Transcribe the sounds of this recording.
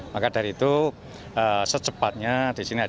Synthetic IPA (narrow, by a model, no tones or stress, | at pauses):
makadaɾiːt̪u | əsət͡ʃəpat̪̚ɲad̥isinia